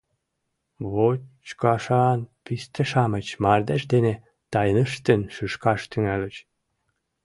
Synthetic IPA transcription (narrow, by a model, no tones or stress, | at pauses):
βot͡ɕkɑʃɑnpist̪ĕʃɑmət͡ɕmɑrd̪eʃd̪ene | t̪ɑjnəʃt̪ənʃyʃkɑʃt̪yŋælə̆t͡ɕ